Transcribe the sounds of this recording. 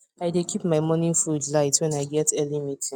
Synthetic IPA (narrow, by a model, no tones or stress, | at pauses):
aɪdekʰipmaɪmɔ̃nĩnfudlaɪtwɛ̃naɪɡɛtʰɛlimĩtʰɪ̃